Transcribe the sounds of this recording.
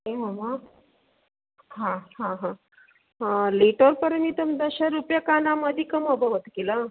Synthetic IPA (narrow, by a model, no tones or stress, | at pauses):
ɦeməma | ɦãhãɦã | liʈəɾpəɾmit̪umd̪əɕaɾupjakanaməd̪ʱikəməbəʋət̪kela